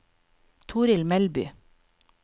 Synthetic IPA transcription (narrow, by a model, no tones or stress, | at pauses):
t̪ʰuːɾɪlmɛlby̰ː